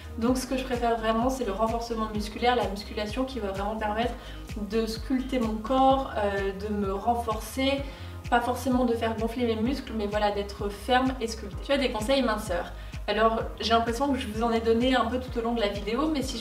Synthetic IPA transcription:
d̪ɔ̃ksə̥kəʒəpχefɛʁvʁɛmɑ̃sɛləʁɑ̃fɔʁsəmɑ̃myskʲylɛʁlamyskʲylasjɔ̃kʲivavʁɛmɑ̃pɛʁmɛt̪χə | d̪əskʲylt̪emɔ̃kɔʁød̪əməʁɑ̃fɔʁse | pafɔʁsemɑ̃d̪əfɛʁɡɔ̃flememyskləmɛvwalad̪ɛt̪χəfɛʁmeskʲylt̪et̪yvwad̪ekɔ̃sɛjmɛ̃sœːʁ | alɔʁʒelɛ̃pχesjɔ̃kəʒəvuzɑ̃nɛd̪ɔneɛ̃pøt̪u̥t̪olɔ̃d̪əlavid̪eomɛsiʒ

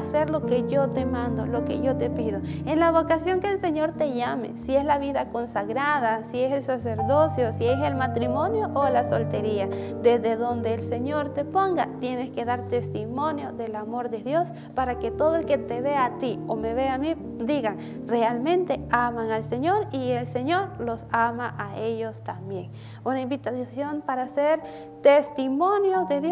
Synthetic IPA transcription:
seɾlokeʝot̪emãnd̪olokḛʝot̪epiðoenlaβokasjoŋkeːlseɲoɾt̪eʝamḛsieslaβiðakonsaɣɾaðasieselsaseɾðosjosieselmat̪ɾimonjoʔolasolt̪eɾiad̪ezðeðond̪eːlseɲoɾt̪epoŋɡat̪jeneskeðaɾt̪est̪imonjoðelamoɾd̪eðjos | paɾaket̪oðoelket̪eβeat̪iomeβeami | d̪iɣaŋ | realmẽnt̪eamaŋalseɲoɾielseɲoɾlosamaʔaejost̪ambjeŋ | unaimbit̪asjompaɾaseɾ | t̪est̪imonjozd̪eðo

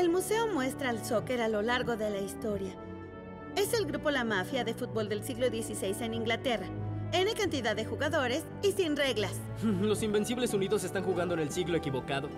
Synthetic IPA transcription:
e̞lmuse̞o̞mwe̞st̪ɾaːlso̞ke̞ɾalo̞laɾɣo̞ðe̞laist̪o̞ɾja | e̞se̞lɡɾupo̞lamafjaðe̞fut̪̚bo̞ld̪e̞lsiɣlo̞ðje̞sisejse̞nĩŋɡlat̪e̞rae̞nekant̪iðaðːe̞xuɣaðo̞ɾe̞s | isinre̞ɣlas̩ | lo̞simbe̞nsiβle̞suniðo̞se̞st̪aŋxuɣand̪oene̞lsiɣlo̞ekiβo̞kaðo̞

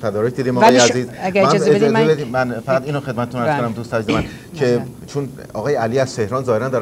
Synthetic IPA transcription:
t̪ʰæd̪ɒːɾec̚ʰd̪iːd̪iːmɒjeæziːzæɡæɾmzebed̪imænfæɣæd̪iːnoxed̪̚mæt̪ʰet̪ʰunæɾkonæmd̪ust̪æzemæn | kʰe | t͡ʃʰun | ɒːɣɒːjeæliːæz̥t̪ʰe̞hɾɒːnzɒːheɾænd̪ɒːɾ

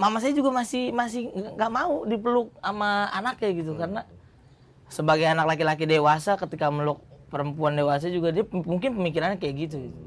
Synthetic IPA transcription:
mamasajad͡ʒuɡamasɪhmasɪhaŋɡaʔmaudipəlʊk̚amaa̰nakɲaɡit̪̬ukaɾəna | səbaɡajanaklak̬ilak̬idewasakət̪ikaməlɔk̚pəɾəmpuandewas̬ad͡ʒuɡadiamuŋkɪnpəmikiɾanakajaɡit̪̬uɡit̪u

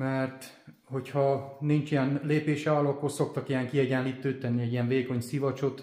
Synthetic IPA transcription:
mɛrt̪ | ho̞chɒnint͡ʃijɛnleːpeːʃɛɒlɒkːorso̞k̚t̪ɒkijɛŋkiɛɟɛnliːt̪ːøːt̪ɛnːiɛɟijɛɱveːko̞ɲsivɒt͡ʃot̪

